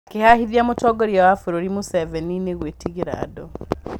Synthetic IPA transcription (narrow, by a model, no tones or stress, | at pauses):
akehahiðjamotɔɡɔɾjawafuɾoɾimosɛvɛnineɣwetiɣiɾa̰ːdɔ